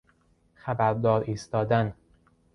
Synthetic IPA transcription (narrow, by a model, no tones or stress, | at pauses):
xæbæɾd̪ɒːɾiːst̪ɒːd̪æn